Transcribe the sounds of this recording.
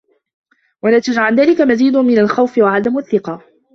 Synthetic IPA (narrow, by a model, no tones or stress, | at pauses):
walat̪ad͡ʒʕalðaːlɪkamaziːd̪ʊnmɪnalxawfɪwaʕad̪amaθːɪqɑː